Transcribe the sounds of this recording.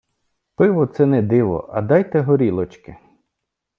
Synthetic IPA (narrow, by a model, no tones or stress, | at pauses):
pɪʋɔt̪sɛnɛd̪ɪʋɔ̰ʔɐ̰d̪ɑjt̪ɛɦɔɾʲilˠɔt͡ʃkɪ